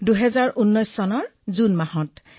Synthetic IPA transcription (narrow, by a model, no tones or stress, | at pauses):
duɦɛzaɹʔunːɔjsːɔnɔɹzunmahɔt